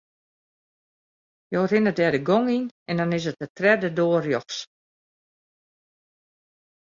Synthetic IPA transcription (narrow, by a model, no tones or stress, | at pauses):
joːrɪnət̚dɛdəɡoŋinɛndɔnɪsət̚ətrɛdədoːərjɔxs